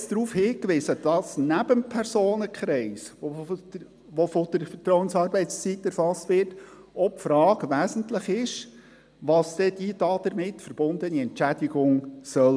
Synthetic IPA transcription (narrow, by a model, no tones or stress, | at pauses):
sd̥̪ɾuːfhɪːkʋɪːzəd̥ɑsnæbəmpʰɛɾzoːnəkχɾɛɪso | ʋofod̥̪əɾfət̪ɾɔwənsɑːɾbɛɪtst͡sitːɛɾfɑstʋɪːɾt | ɔpfɾɑːɡʋæːsən̩tlɪχɪʃ | ʋɑsd̪ɛd̥id̪ɑd̪əɾmɪtfəɾb̥ʊnd̪əniɛnt͡ʃæd̥iɡʊŋsœl